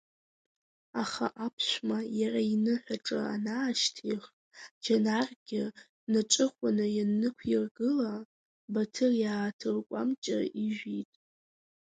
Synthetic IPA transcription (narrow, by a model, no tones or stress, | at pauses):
aχa̰ʔapʰʃʷmajarainɨħʷᶣaʈ͡ʂʼɨ̰a̰naːʃtʰiχ | d͡ʒanarɡʲɪ | naʈ͡ʂʼɨχʷanɨjanːɨkʷʰirɡɨla | batʰɨrjaːtʰɨrkʷʼa̰mt͡ʃʼa̰iʒᶣitʼ